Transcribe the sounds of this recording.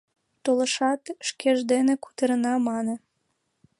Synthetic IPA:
t̪oləʃɑt̪ʃkʰeʒd̪eneku̥t̪əɾənɑmɑne

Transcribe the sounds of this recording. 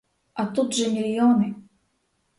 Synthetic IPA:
at̪ut̪ʐɐmʲilʲjɔnɨ

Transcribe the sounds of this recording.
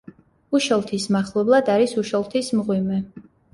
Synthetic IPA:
uʃɔlˠt̪ʰismaχlˠɛblˠad̪aɾisuʃɔlˠt̪ʰismʁwimɛ

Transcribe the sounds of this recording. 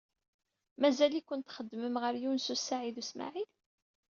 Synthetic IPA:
mæzælikʷːʊnt̪χəd̪ːməmʁəɾjunsusːaʕiðusma̰ʕil

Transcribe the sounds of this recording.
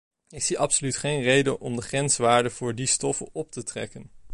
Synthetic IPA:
ɪsiʔɑpsolytχejnrejdənʔɔmdəχrɛnsʋaːɹdəv̥ʊːɹdistɔfə̰nɔp̚tətrɛ̰kən

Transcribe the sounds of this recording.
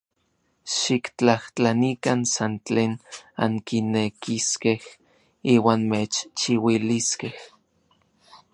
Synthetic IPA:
ʃikt͡ɬaht͡ɬanikansant͡ɬeːna̰ŋkinekiskeh | iːwaːnmet͡ʃt͡ʃiwiliskeh

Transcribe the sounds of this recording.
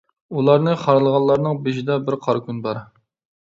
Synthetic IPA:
ulˠɑɾnɨχɑɾlˠəʁɑlːˠɑɾnɨŋbeʃid̪ɑbɪɾqʰɑɾkʲynbɑɾ

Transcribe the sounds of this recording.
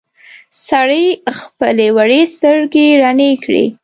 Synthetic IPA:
saɽəjxpəlewaɽest̪əɾɡeɾanekɽḛ

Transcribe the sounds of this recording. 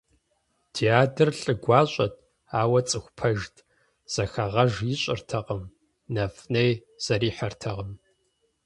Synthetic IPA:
tʰiaːdɨrɬʼɨɡʷɑːɕʷʼɐtʰ | aːwɐt͡sʼɨxʷpʰɐʒtʰ | z̥ɐxɐʁɐʒjiɕʼɪrtʰɐqəm | nɐfnejz̥ɐɾiːħɐrtʰɐʁəm

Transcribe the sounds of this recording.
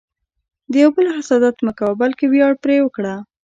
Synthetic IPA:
d̪əjawbəlxɪsɑd̪at̪məkawabalkewjɑɽpɾewəkɽa

